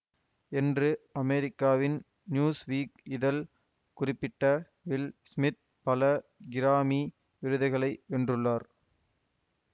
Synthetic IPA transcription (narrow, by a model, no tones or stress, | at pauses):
ɛndrɯɐmeɾɪkːaːʋɪn | njuːsʋiːkɪðɐl | kʊrɪpːɪʈːɐ | ʋɪlsmɪt̪̚ | pɐlɐɡɪɾaːmi | ʋɪɾɯðɐɪɣɐɭɐɪʋɛndrɯɭːaːɾ